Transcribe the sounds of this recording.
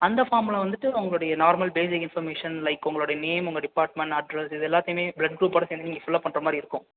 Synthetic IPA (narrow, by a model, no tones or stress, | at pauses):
ɐnd̪ɐfaːɾmlɐʋɐnd̪ɯʈːɯʊŋɡɐɭʊɽɐjɐnaːɾmɐlbeːs̬ɪkːɪnfɐɾmeːʂɐnlɐɪkːʊŋɡɐɭʊɽɐjɐneːmʊŋɡɐɖɪpaːʈ̚mɛɳʈɐɖɾɐsɪðɛlːaːt̪ɐjʊmeːblɐɖ̚ɡɾuːpːɐːɽɐseːnd̪ɯniːŋɡɐfʊlːɐpːɐɳɾɐmaːd̪ɾiɪɾɯkːʊ̃